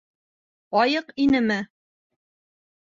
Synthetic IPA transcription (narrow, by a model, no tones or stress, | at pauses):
ɒjɤqinɘmɘ